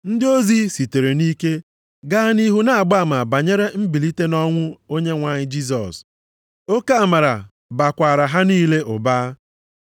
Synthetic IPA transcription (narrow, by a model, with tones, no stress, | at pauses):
n̩˦dɪ˦o˦zi˦si˨te˨ɾe˨ni˦ke˦ | ɡa˦ni˦ɦu˦na˦a˨ɡ͡ba˦˨ma˨ba˨ɲe˦ɾe˦m̩˦bi˨li˦te˦nɔ˦ŋʷʊ˦o˦ɲe˦ŋʷa˨ɲɪ˦d͡ʒi˦s̬ɔ˨s | o˦ka˦a˦˨ma˨ɾa̰˨ | ba˨kʷa˨ɾa˨ɦa˦niː˦le˦ʔʊ˨baː˦